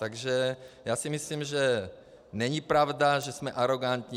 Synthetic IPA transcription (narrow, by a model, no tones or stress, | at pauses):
t̪aɡʒɛjaːsɪmɪslimʒɛ | nɛɲipɾavdaʒɛsmɛʔaɾoɡant̪ɲi